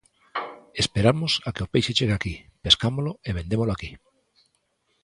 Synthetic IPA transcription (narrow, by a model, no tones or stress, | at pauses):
espeɾamʊsakɪopejʃet͡ʃeɣeakipeskamolʊeβend̪emoloaki